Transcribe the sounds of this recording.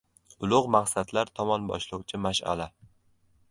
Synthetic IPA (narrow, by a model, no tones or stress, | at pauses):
ʊlˠʊʁmaqsad̪laɾt̪ʰɒmɒnbɒ̰ʃlˠʊwt͡ʃʰɪmaʃa̰la